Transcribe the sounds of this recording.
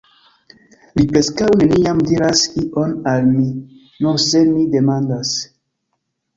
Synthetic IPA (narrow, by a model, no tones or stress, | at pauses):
lipɾe̞skawne̞niamdiɾasiʔonalmi | nose̞mide̞mandas